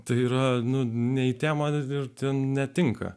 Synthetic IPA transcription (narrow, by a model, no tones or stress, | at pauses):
t̪ɐɪiːɾɐnʊnʲɛit̪ʲæːmɐɪrt̪ʲɛnnʲɛt̪ʲɪŋkɐ̰